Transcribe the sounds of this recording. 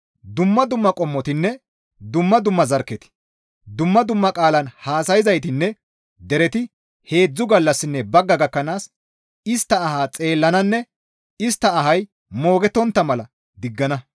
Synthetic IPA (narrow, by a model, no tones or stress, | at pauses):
d̪ʊmːɐd̪ʊmːɐkʼɔmːɔt̪ɪnːɛ | d̪ʊmːɐd̪ʊmːɐzɐɾkːɛt̪ɪ̥ | d̪ʊmːɐd̪ʊmːɐkʼaːlɐnhaːsɐjɪzɐjt̪ɪnːɛ | d̪ɛɾɛt̪ɪ | he̞ːd͡zːʊɡɐlːɐsːɪnːɛbɐɡːɐɡɐkːɐnaːs | ɪst̪ːɐːhaːt͡sʼe̞ːlːɐnɐnːɛ | ɪst̪ːɐːɦɐj | mo̞ːɡɛt̪ːɔnt̪ːɐmɐlɐ | d̪ɪɡːɐnɐ